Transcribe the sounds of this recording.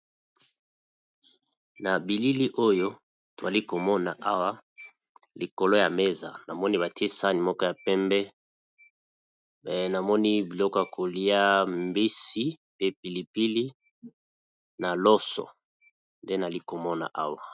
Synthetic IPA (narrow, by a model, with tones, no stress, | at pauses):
na˨bi˨li˦li˦ʔo˦jo˦ | to˨a˨li˦ko˨mɔ˦na˨ʔa˦wa˦ | li˨ko˨lo˦ja˨me˦za̰˨na˨mɔ˦ni˦ba˨ti˦e˦sa˦ni˨mɔ˦kɔ˦ja˨pɛ˦mbɛ˦˨ | na˨mɔ˦ni˦bi˨lɔ˦kɔ˦ja˨kʰo˨li˦a˦mbi˦si˦ | pe˦pi˨li˨pi˦li˦ | na˨lɔ˦sɔ̰˨ | nde˦na˨li˦ko˨mɔ˦na̰˨ʔa˦wa˨